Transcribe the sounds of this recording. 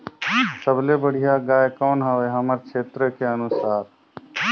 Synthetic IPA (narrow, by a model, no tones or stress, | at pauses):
səblebəɽ̤ijaɡaːjkɔːnɦəʋeɦəməɾkt͡ʃʰeːt̪ɾəkeənʊsaːɾ